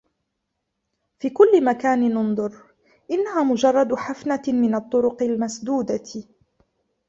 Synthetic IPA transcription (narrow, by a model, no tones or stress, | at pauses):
fiːkʊlːɪmakaːnɪnʊnd̪ˤʊɾ | ʔɪnːaɦaːmʊd͡ʒɑrˤːɑd̪ħafnamɪnat̪ˤːʊɾʊqɪlmasd̪uːd̪a